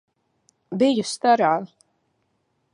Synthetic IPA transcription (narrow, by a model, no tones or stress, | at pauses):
bɪjust̪aɾaː